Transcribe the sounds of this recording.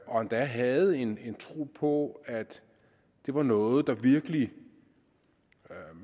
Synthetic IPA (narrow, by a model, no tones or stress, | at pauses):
ɒ̽ænd̥æɦɛð̞̩ˠe̝ne̝nt͡sʰʁo̝̰ːpʰɒ̽æd̥ | d̥e̝ʋɑ̈nɔ̽ːð̞̩ˠd̥ɑ̈ʋiɐɡ̥əli